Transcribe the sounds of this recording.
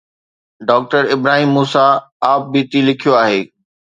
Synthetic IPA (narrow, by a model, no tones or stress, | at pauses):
ɖɔːk̚ʈəɾɪbɾaːɦiːmːuːsaaːp̚biːt̪ilɪkʰijoaːɦeː